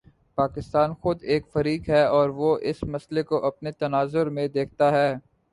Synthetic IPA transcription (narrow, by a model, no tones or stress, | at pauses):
paːkɪst̪aːnxʊd̪eːkfɐɾiːkɦɛɔːɾʋoʔɪsmɐslekoʔɐpnet̪ɐnaːzʊɾmẽd̪eːk̚ʰt̪aɦɛː